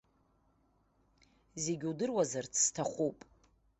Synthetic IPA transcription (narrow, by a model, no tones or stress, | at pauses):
ze̞ɡʲudɨrwazart͡sʰstʰaχʷupʼ